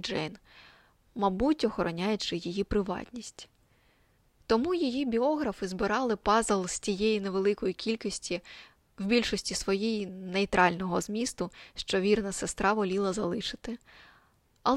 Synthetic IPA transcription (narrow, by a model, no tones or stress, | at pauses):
d͡ʒɛ̰jn | mɐbutʲɔxɔɾɔnʲajɛt͡ʃɪjijipɾɪʋɑ̰tʲnʲisʲtʲ | t̪ɔmujijibʲiɔɦɾɐfɪzbɪɾɑlˠɪpɑzelˠsʲtʲijejineʋelˠɪkɔjikʲilʲkisʲtʲi | wbʲilʲʃɔsʲtʲisʋɔjijinejt̪ɾʔɑlʲnɔɦɔzmʲist̪ʊʃt͡ʃɔʋʲirnɐsest̪ɾɑʋɔlʲilˠɐzɐlˠɪʃɪ̥t̪ɪ | ɐlˠ